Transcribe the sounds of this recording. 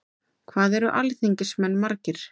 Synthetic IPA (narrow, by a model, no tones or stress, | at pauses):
kʰvaːðɛɾʏʔalθiɲcɪsmɛnːmaɾcɪɾ̥